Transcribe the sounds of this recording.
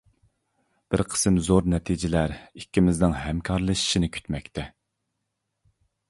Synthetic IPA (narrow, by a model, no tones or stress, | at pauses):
b̥ɪɾqʰə̥sɨmzoɾnɛt̪ʰid͡ʒɪlæɾikʲːimɪznɪŋɦɛmkʲʰɑɾlˠɨʃi̥ʃinɪkʲʰy̥t̪mɛkʲt̪ʰɛ